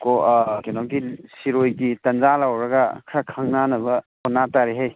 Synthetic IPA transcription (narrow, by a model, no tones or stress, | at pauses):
kokenɔɡisiɾojɡitɐnzalawɾɐɡakʰɾakʰaŋnanɐbɐkɔnataɾiɦaj